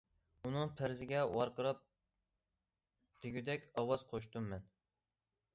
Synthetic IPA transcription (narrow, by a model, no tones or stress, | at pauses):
unɨŋpʰæɾzɪɡʲɛwɑɾqəɾɑp̚ | d̪̥ɪɡʲyd̪ɛkʲɑwɑz̥qʰoʃ̬t̪umːɛn